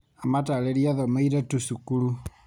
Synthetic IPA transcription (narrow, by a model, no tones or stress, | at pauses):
amataleɾiaðɔmaiɾetusukulu